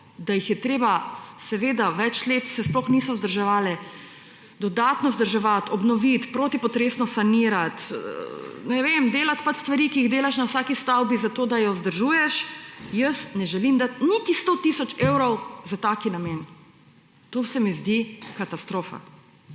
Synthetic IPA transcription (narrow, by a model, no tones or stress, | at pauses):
d̪ajixjɛt̪ɾeːbasɛʋeːd̪aʋɛt͡ʃleːt̪sɛsplɔxnisɔzd̪əɾʒɛʋaːlɛ | d̪ɔd̪aːt̪nɔzd̪əɾʒɛʋat̪ɔbnɔʋit̪pɾoːt̪ipɔt̪ɾeːsnɔsaniːɾat̪ | nɛʋemd̪eːlat̪pat͡ʃst̪ʋaɾikiiɣd̪eːlaʃnawsaːkist̪awbizat̪oːd̪ajɔzd̪əɾʒuːjɛʃjəsnɛʒɛlimd̪at̪̚nit̪ist̪ot̪isɔt͡ʃewɾɔwzat̪akinamen | t̪oːsɛmizd̪ikat̪ast̪ɾoːfa̰